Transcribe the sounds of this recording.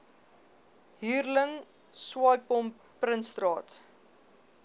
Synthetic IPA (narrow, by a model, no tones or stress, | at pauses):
ɦiːrləŋ | swɑjpɔm | prənstrɑːt